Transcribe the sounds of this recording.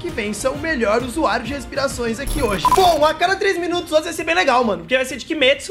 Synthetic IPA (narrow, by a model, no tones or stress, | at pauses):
kɪvẽj̃sɐ̃w̃ʊmeʎɔɾd̪ʊzuaɾjʊd͡ʒɪhespiɾasõj̃zakioʒɪb̥õakad̪ɐt̪ɾezmĩnut̪ʊzõzvajseɾbẽj̃leɡawmɐ̃nʊpʊɾkevajseɾd͡ʒɪkɪmɛsʊ